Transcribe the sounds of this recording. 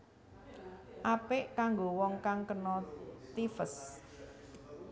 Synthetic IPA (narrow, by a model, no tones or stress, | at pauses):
ʔapɪʔkaŋɡowɔŋkaŋkənɔt̪ifəs